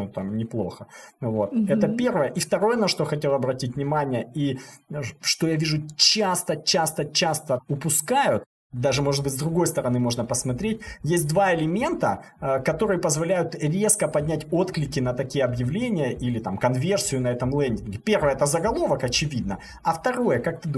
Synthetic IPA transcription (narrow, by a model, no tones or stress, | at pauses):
t̪amnʲɪplˠo̞̰xəvot̪ɛt̪əpʲe̞rvəjəʔift̪ɐɾo̞jənɐʂt̪o̞xɐtʲe̞lˠɐbɾɐtʲitʲvnʲɪmanʲɪjəi | ʂt̪o̞javʲiʐʊt͡ɕast̪ət͡ɕast̪ət͡ɕast̪əʊpʊskajʊt̪̚ | d̪aʐɨmo̞ʐɨt̪bɨtʲzd̪ɾʊɡo̞jst̪əɾɐnɨmo̞ʐnəpəsmɐt̪ɾʲetʲjesʲt̚ʲd̪vaɪlʲɪmʲe̞nt̪ə | kɐt̪o̞ɾɨjəpəzvɐlʲæjʊt̪ɾʲe̞skəpɐdʲnʲætʲo̞t̪klʲɪkʲɪnət̪ɐkʲijəɐbjɪvlʲenʲɪjəʔilʲɪt̪amkɐnvʲe̞rsʲɪjʊnɐɛt̪əmlˠɛnʲdʲɪnɡʲɪpʲe̞rvəjəɛt̪əzəɡɐlˠo̞vəkɐt͡ɕɪvʲid̪nə | ɐft̪ɐɾo̞jəkak̚t̪ɨd̪